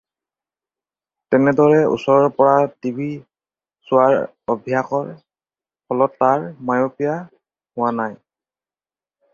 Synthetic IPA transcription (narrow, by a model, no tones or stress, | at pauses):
tɛnɛdɔɹɛṵsɔɹɔɹpɔɹatibi | sʊaɹ | ɔbʱijaxɔɹ | hɔlɔtːaɹmajopija | hʊwanaj